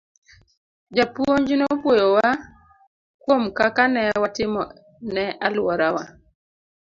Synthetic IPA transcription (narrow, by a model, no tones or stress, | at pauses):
d͡ʒapwoɲd͡ʒinopwojowa | kwomkakanɛwatɪmɔ̰ | nɛʔalwɔɾawa